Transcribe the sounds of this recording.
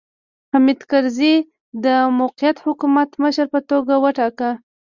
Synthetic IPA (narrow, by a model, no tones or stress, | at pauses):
hamid̪kaɾzi | d̪əmowqijat̪hʊkumat̪məʃəɾpət̪oɡawəʈɑkə